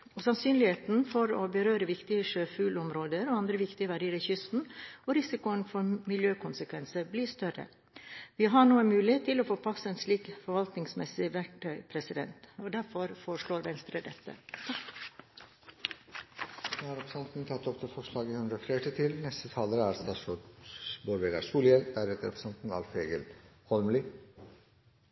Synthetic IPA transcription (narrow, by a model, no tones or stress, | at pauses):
osɑnsyːnlɪheːt̪n̩fɔɾoːbəɾøːɾəʋɪkt̪ɪəʂøːfʉːlɔmɾoːd̪əɾoːɑnd̪ɾəʋɪkt̪ɪəʋæɖiːɾɪçʏst̪n̩oːɾɪsɪkʊənfɔɾmɪljøːkʰʊnsəkʰʋɛnsəbliːst̪œɾə̰ | ʋɪːɦɑɳuːəmʉːlɪeːt̪ʰːɪloːfoːpʰɑsːəeːnsliːkfɔɾʋɑlt̪nɪŋsmɛsɪʋæʈʈœʏpʰɾɛsɪd̪ɛ̰nt̪oːd̪æɾfɔɾfoːɾəʂɭoːɾʋɛnst̪ɾəd̪ɛt̪ːə̰ | hɑɾɛpɾəsɛnt̪n̩t̪ʰɑt̪ːɔpt̪ɪlfɔʂɭɑːɡihʉnd̪ɾəfleːʈit̪ʰɪlnɛst̪ət̪ʰɑːləɾəæɾst̪ɑːʂɔboːɾʋeːɡ̪æsuːljɛld̪æɾɛt̪əɾɛpʰɾə̥sɛnt̪n̩ɑ̰lfeːɡəlhʰɔlmli